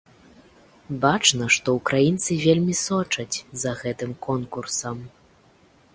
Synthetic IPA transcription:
bat͡ʂnɐʂt̪ɔukɾajint̪sɨvʲelʲmʲisɔt͡ʂɐt͡sʲzɐɣɛt̪ɨmkɔnkursɐm

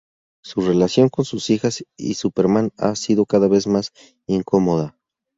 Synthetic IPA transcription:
sure̞lasjo̞ŋko̞nsusixasḭsupe̞ɾmana̰siðo̞kaðaβe̞zmas | iŋko̞mo̞ða

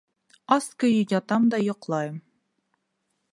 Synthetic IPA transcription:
ɑskɵ̆jɵjɑt̪ɑmd̪ɑjŏqlˠɑjɤm

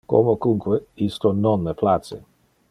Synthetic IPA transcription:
ko̰mokuŋkweist̪onɔnːɛplat̪sḛ

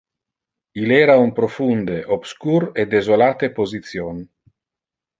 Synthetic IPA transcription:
ilɛːɾaumpɾofund̪eʔobskuɾed̪ezolaːt̪epozit̪sjon

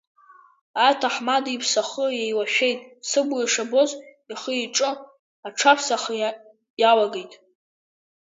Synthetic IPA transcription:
atʰaħmadipʰsaχəjejwaʃᶣe̞jtʼsɨbujaʂabo̞z | iχəiʈ͡ʂʼɨ | aʈ͡ʂʰapʰsaχə | jalaɡejtʼ

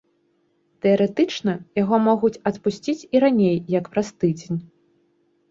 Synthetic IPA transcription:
t̪ɛɐɾɛt̪ɨt͡ʂnɐjaɣɔmɔɣut͡sʲɐt̪pusʲt͡sʲit͡sʲiɾanʲejːɐkpɾast̪ɨd͡zʲenʲ

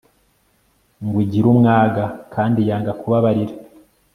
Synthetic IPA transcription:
ŋɡwiɟiɾumŋaːɡakʰaːndijaːŋɡakuβaβaɾiɾa

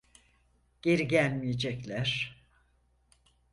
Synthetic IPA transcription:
ɟ̥eɾiɟælʲmijed͡ʒɛclʲæɾ̥

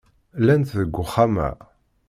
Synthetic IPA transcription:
lænt̪ðəɡʷːʊχamæ̰

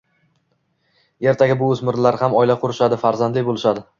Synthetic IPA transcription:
e̞ɾt̪ʰaɡʲɪbʊɵzmɪɾlaɾhamɒɪlaqʰʊɾɪʃad̪ɪfaɾzand̪lɪjbolˠɪʃad̪ɪ

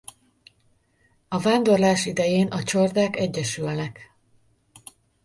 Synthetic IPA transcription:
ɒvaːnd̪o̞rlaːʃid̪ɛjeːnʔɒt͡ʃord̪aːkɛɟːɛʃylnɛk

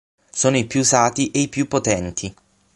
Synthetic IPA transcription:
soːnoipjusaːt̪iʔeipjupːot̪ɛnt̪ʰi

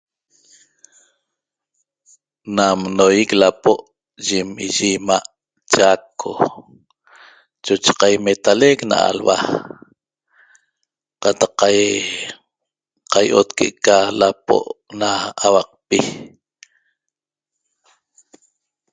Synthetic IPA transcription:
namnojiklapoʔ | ʒimiʒimaʔ | t͡ʃakʰo̰ | t͡ʃot͡ʃe̥qɑjmet̪alekna̰a̰lwa̰ | qɑt̪ɑqːa | qajʔot̪keʔkalapo̰ʔnaːwɑq̚pi

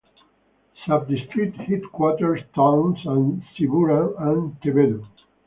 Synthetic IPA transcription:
sap̚d̪ist̪ɹit̪hit̪kwɔt̪əɹst̪ʰãw̃nsãnsiɡuɾaãnt̪ebed̪o

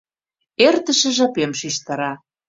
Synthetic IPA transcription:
ert̪ə̆ʃə̆ʒɑpemʃiʃt̪ɑɾɑ

